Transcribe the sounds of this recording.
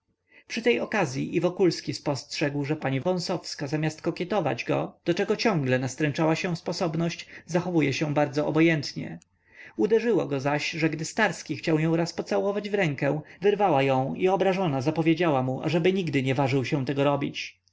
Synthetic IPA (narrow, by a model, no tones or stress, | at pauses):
pʂɘt̪ɛjɔkazʲjiʔivɔkulskʲispɔstʂɛɡwʐɛpaɲivɔ̃w̃sɔfskazamʲast̪̚kɔkʲjɛt̪ɔva̰d͡ʑɡɔ̰d̪̥ɔt͡ʂɛɡɔt͡ɕɔ̃ŋɡlɛnast̪ɾɛnt͡ʂawaɕɛ̃spɔsɔbnɔɕt͡ɕzaxɔvujɛɕɛ̃baɾd̪zɔɔbɔjɛnt̪ɲɛ̰ | ud̪ɛʐɘwɔ̰ɡɔzaɕʐɛɡd̪ɘst̪aɾskʲixt͡ɕawjɔ̃w̃ɾaspɔt̪sawɔvad͡ʑvɾɛŋkɛ̃vɘɾvawajɔ̃w̃iɔbɾaʐɔnazapɔvʲjed͡ʑawamuʔa̰ʐɛbɘɲiɡd̪ɘɲɛvaʐɘwɕɛ̃w̃t̪ɛɡɔɾɔbʲit͡ɕ